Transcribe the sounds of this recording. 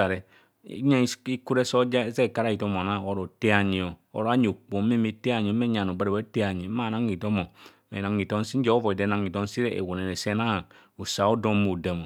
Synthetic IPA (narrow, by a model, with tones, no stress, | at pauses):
a˨ɾɛ̰˨˦ | a˦i˦ku˦ɾe˦sɔ˦d͡ʒa˦ze˦˨ka˦ɾa˦˨i˨to˦m˨o˨na˦˨o˦ɾo˨te˦a˨ɲi˨o˨o̰˦ɾa˦ɲ˨o˨k͡po˨mi˦mi˦te˦a˨ɲi˨o˨˦me˦ɲa˨no˨ba˦ɾe˨e˦te˦a˨ɲi˨˦ma˦˨na˨˦ŋi˨to˦mo˨ | me˨na˨ŋi˨to˦n˦si˦n̩˦d͡ʒɛ˦ɔ˦vɔ˨i˨de˨˦na˨ŋi˨to˦n˦si˦ɾe˦ḛ˨wo˨ne˨ne˨sɛ˦na˦˨ | u˨sa˨o˦do˦mo˨da˨mo˨